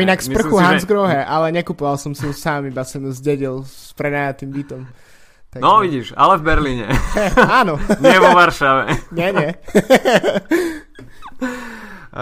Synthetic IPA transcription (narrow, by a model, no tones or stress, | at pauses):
inakspr̩xuɦanzɡɾɔɦɛʔalɛɲɛkupɔʋalˠsɔmsiusaːmibasɔmzɟɛɟilspɾɛnaːjat̪imbit̪ɔm | t̪anɔʋiɟiʒa̰lɛvbɛɾliːɲɛ̰aːnɔɲɛʋɔʋaɾʃaʋɛ̰ɲɛɲɛ